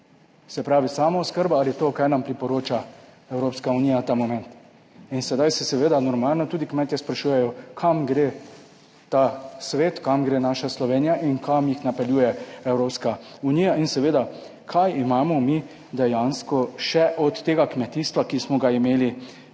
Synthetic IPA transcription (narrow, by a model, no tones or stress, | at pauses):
sɛpɾaːʋisaːmaɔskəɾbaalit̪oːkajnampɾipɔɾoːt͡ʃa | ɛwɾoːpskaunijat̪amɔmɛnt̪ | insɛd̪ajsɛsɛʋeːd̪anɔɾmaːlnɔt̪uːd̪ikmɛːt̪jɛspɾaʃuːjɛjɔkʰamɡɾe | t̪asʋeːt̪kamɡɾeːnaːʃaslɔʋeːnijaʔinkʰamjixnapɛljuːjɛɛwɾoːpskauniːjainsɛʋeːd̪a | kʰajimaːmɔmi | d̪ɛjanskɔʃɛʔɔt̪ːeːɡakmɛt̪ist̪ʋakismɔɡaimeːli